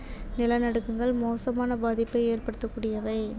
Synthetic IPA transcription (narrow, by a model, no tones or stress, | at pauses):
nɪlɐnɐɽɯkːɯŋɡɐɭmoːsɐmaːnɐbaːðɪpːɐɪeːrpɐɽɯt̪ːɐkːuːɽɪjɐʋɐɪ